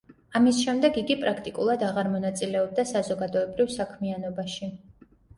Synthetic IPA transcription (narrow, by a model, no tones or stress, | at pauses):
amisʃɛmd̪ɛɡiɡipʼɾakʰt̪ʼikʼulˠad̪aʁaɾmɔnat̪sʼilɛɔb̚d̪asazɔɡad̪ɔɛbɾivsakʰmianɔbaʃi